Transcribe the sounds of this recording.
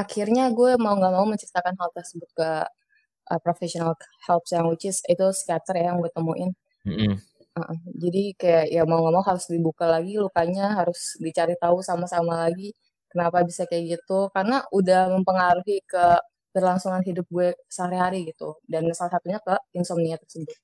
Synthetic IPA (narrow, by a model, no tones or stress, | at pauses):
ʔakʰirɲaɡuɛmauŋɡaʔmauməɲt͡ʃirt̪akanɦalt̪ərsəbʊt̪̚kə | ʔəpɾofɛsionalhɛlpsjaŋwit͡ʃɪsit̪usk̪iat̪ərjajaŋɡuɛt̪əmuʔɪn | əʔəd͡ʒadikajaʔjamauŋɡaʔmauɦaɾʊsdibukalaɡilukaɲaɦaɾʊsdit͡ʃaɾit̪ausamasamalaɡi | kənapabisakajaɡit̪ukarnaʔudahməmpəŋaɾuɦikə | bərlaŋsuŋanɦidʊp̚ɡuɛsəɦaɾiɦaɾiɡit̪ṵdanasalasat̪uɲakəɪnsɔmniat̪ərsəbʊt̪̚